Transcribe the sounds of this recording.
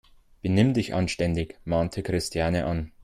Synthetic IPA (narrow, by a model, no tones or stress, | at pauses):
b̥ənɪmdɪçʔa̰nʃtɛndɪçmaːntʰəkʁ̥ɪstʰjaːnəʔan